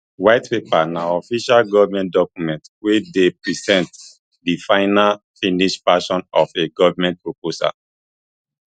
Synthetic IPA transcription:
waɪtpepanaɔfiʃalɡɔvmɛ̃nt̚dɔkjumɛ̃ntwedepɹizɛ̃nt | difãɪnal | fĩniʃfaʃɔ̃nɔfeɡɔvmɛ̃nt̚pɹoposa̰

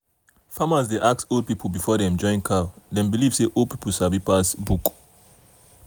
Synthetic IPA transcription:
famazdeʔak̚solˠd̚pipʰl̩bifɔdɛ̃md͡ʒɔ̃ɪ̃nkʰadɛ̃nbilivseʔodpipʰəsabipasbuk

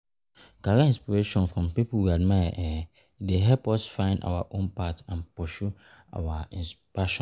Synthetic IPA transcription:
kaɾaĩnspiɹeʃɔ̃nfɹɔ̃mpiplwiad̚majaʔɛ | deɦɛlpɔsfãɪ̃nda̰waʔõnpatãnpɔʃu | ʔa̰waĩns | aʃɔ̃n

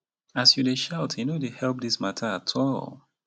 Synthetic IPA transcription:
asjudeʃaʊtʰjɨnodehɛlˠp̚ðismatʰə˞atʰɔlˠ

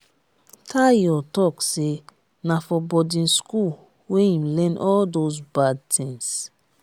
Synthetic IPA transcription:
tʰajɔtɔkse | nafɔbɔdĩnskul | weĩmlɛ̃nʔɔldozbad̚tʰĩŋs

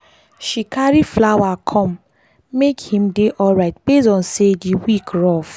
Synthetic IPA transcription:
ʃikaɾiflawakʰɔ̃mː | ekhĩmdeʔɔlɹaɪtbesɔ̃nsediwikɹɔf

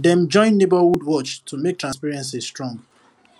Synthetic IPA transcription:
dɛ̃md͡ʒɔ̃ɪ̃nːebawudwɔt͡ʃtʰumek̚tɹãnspiɹɛ̃ns̬istɹɔ̃ŋɡ

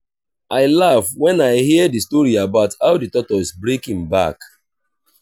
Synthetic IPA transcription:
ʔaɪlavwɛ̃naɪhidistɔɹiabaʊthaʊditɔtɔizbɹekĩŋba̰k

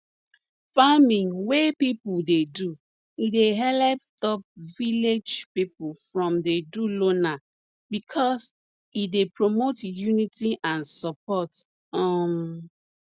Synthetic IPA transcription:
famĩŋwepipudedu | ideɦɛlɛp̚tɔp̚viled͡ʒpipufɹɔ̃mdedulona | bikʰɔs | idepɹomotjunitiʔãnsɔpɔt | ɔ̃

